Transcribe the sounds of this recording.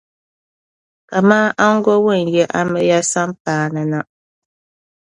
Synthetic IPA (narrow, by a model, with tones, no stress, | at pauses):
ka˨maː˦ʔa˦ŋ̩˦ɡɔ˦wɨ˦˨n˨jɛ˦ʔa˦mɨ˦ja˦sa˦m˦paː˦nɨ˨na˦